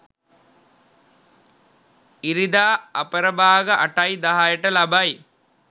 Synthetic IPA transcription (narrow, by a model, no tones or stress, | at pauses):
iɾid̪aːɐpəɾɐbaːɡɐʔɐʈɐjd̪ɐɦaːjɐʈɐlɐbɐj